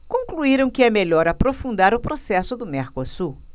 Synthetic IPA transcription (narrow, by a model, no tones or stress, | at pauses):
kõŋkluiɾɐ̃w̃kɪɛmeʎɔɾapɾofũnd̪aɾʊpɾosɛsʊd̪ʊmeɾkosu